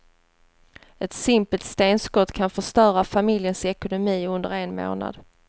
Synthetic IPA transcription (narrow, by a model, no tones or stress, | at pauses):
ɛt̪sɪmpəlt̪st̪eːnskɔt̪ːkʰanfœʂt̪œːɾafamɪljənsɛkʊnʊmiːɵnd̪ə̰ɾeːnmo̰ːna̰d̪